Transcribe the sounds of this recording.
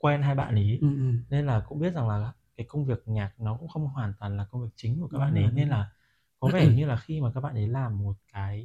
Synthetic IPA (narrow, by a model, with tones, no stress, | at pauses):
kwɛ˧nɦaː˧jɓa̰ː˧˨nʔi˨˦ne˧nlaː˨˩kʊ̰˧˥ŋ͡mɓi˦˥t̚za˨˩ŋlaː˨˩˦kaː˨˦jkə˧wŋ͡mvi˨˩ək̚ɲaː˨˩k̚nɔ˨˦kʊ̰˧˥ŋ͡mxə˧wŋ͡mɦwaː˨˩nt̪waː˨˩nlaː˨˩kə˧wŋ͡mvi˨˩ək̚t͡ɕï˨˦ŋ̟ku˧˩kaː˦˥ɓa̰ː˧˨nʔə˨˦jne˧nlaː˨˩ | kɔ˨˦vɛ˧˩ɲɨ˧laː˨˩xi˧maː˨˩kaː˦˥ɓaː˧˨nʔə˨˦laː˨˩mːo˨˩t̚kaː˨˦j